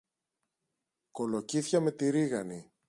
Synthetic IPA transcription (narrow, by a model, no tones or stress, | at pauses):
ko̞lo̞ciθçɐme̞t̪iɾiɣɐni